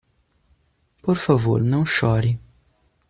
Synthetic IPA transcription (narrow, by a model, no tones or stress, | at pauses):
pɔɾfavo̰ɾnɐwʃɔɾi